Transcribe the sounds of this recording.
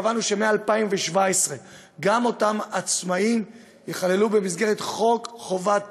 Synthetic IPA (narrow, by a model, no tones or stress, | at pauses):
vanuʃe̞me̞aːlpaimveʃvaesʁe̞ | ɡamo̞tamat͡smaim | jeχale̞lube̞mizɡe̞ʁet̪χo̞kχo̞vat